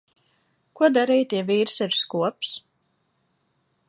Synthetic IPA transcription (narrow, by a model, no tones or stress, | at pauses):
kuɔd̪aɾijt̪ɛviːɾsiɾskuɔps